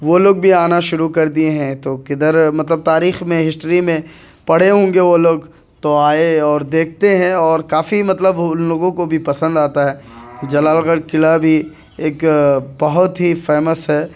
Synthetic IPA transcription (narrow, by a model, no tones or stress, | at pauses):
ʋoloːɡ̚bʱiaːnaʃʊɾukɐɾd̪ieɦɛ̃t̪okɪd̪əɾmɐt̪ləb̚t̪aːɾiːxmẽɦɪsʈɾimẽ | pɐɽ̤eɦõːŋɡeʋoloːɡ | t̪oaːeɔːɾd̪eːk̚ʰt̪eɦɛ̃ɔːɾkaːfimɐt̪ləbloːɡõkobʱipɐsə̃nd̪aːt̪aɦɛːd͡ʒɐlaːlɣəɽkɪlabʱi | eːkbɐɦʊt̪ɦifɛːməsɦɛː